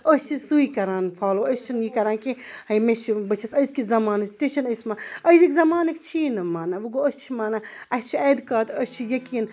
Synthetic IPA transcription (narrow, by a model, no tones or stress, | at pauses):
əst͡ʃʰisuikɐɾaːnfʰaːloːɐst͡ʃʰinjiːkɐɾaːnkihɐjmet͡ʃʰibɐt͡ʃʰɐsɐjskizɐmaːnɐt͡ʃʰt̪it͡ʃʰinɐjsmaɐjzikʲzɐmaːnɐkt͡ʃʰiːnɐmaːnaʋuɡoɐst͡ʃʰimaːnaɐst͡ʃʰieːd̪kaːt̪ɐst͡ʃʰijɐkin